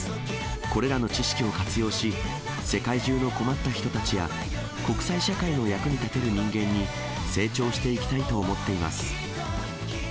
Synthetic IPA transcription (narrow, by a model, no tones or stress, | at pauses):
ko̞ɾe̞ɾano̞t͡ɕiɕi̥kʲio̞kat͡sɨjo̞ːɕi | se̞kaiʑɨːno̞ko̞mat̪ːaçi̥t̪o̞t̪at͡ɕija̰ | ko̞kɯ̥saiɕakaino̞jakɯ̟ɲ̟it̪at̪e̞ɾɯ̟ɲ̟ĩŋɡẽ̞ɲ̟ːi | se̞ːt͡ɕo̞ːɕi̥t̪e̞ikʲi̥t̪ait̪o̞ːmo̞t̪ːe̞ima̰sɨ̥